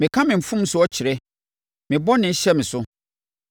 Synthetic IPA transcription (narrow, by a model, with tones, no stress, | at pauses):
mɪ̃˨kʰã˦mɪ̃˨m̩˨fũ˦m̩˦sʊ˦ɔ˦t͡ɕʰɪ˨ɾɛ˦ | mɪ̃˨bɔ˦nɪ̃˨˦ɕɛ˦mɪ̃˨sʊ˦